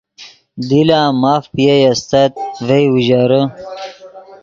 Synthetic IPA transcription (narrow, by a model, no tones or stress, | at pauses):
d̪ilaːmaːfpijejɐst̪ɐt̪̚vejwuʑaɾə